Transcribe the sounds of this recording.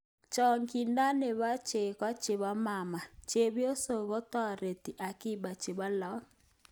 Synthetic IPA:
t͡ʃɔ˨ŋki˨nda˦ne˨βa˦t͡ʃe˨kwa˦t͡ʃe˨ba˦ma˨ma˨t͡ʃe˨bjo˦so˨ɣo˦t̪ɔ˦˨ɾe˨t̪i˨ʔa˨ki˦ba˨t͡ʃe˨ba˦lɔ˨˦

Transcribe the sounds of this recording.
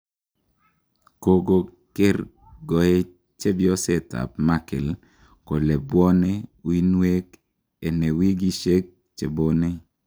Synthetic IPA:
ko˦ɡo˦ | ke˦r | ɡɔ˨ɛ˦ | t͡ʃe˦bjɔ˦sɛ˨ta̰˨pma˦kɪ̰˨l | ko˨le˨bwɔ˦ne˦wi˦nwe˦k | e˨ne˨wi˦ɡi˦ʃe˦k̚ | t͡ʃe˨bo˦nɛ˦

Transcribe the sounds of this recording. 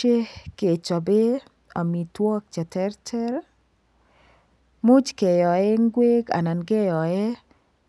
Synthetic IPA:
e˦ke˨t͡ʃɔ˨be˦ | ɔ˨mi˨twɔ˦k̚t͡ʃɛ˨tɛ˦ɾtʰɛ˦ɾ | mu˦d͡ʒke˨jɔ˨ɛ˦ŋ˦ɡwe˦ɡa̰˨na˨nɡe˦jɔ˨ɛ˦

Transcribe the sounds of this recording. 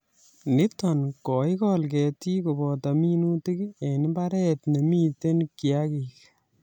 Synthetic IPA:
nɪ˦tɔnkɔ˨jkɔlkɛ˨ti˦ko˨bɔ˨ta˨mi˦nu˦ti˦ke˨nɪ˦ba˦ɾɛt̪ne˨mi˦te˦nki˨a˦kik

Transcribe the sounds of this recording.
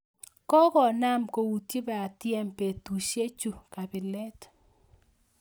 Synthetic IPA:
kɔ˦kɔ˨na˦mko˨wu˨tji˦bɛ˨a˨t̪jɛ˦mpe˨t̪u˨ʃe˦t͡ʃu˦˨ka˨bɪ˨lɛ˦t

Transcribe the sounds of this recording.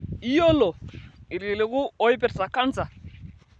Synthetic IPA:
i˦jɔ˦lɔ˨i˨ɾi˨lɛ˨ku˦ɔ˦i˦pɛ˦sa˨kʰa˦nd͡za˨

